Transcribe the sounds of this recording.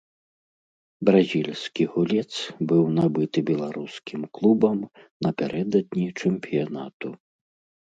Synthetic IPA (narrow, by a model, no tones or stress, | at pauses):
bɾazʲilʲsʲkʲiɣulʲɛt̪sbɨwnabɨt̪ɨbʲɛlˠaɾuskʲimklˠubɐm | nɐpʲaɾʔɛd̪ɐd̪̚nʲit͡ʂɛmpʲijanat̪u